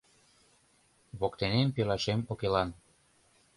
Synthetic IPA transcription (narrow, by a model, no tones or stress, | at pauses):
βokt̪enempelɑʃemokelɑn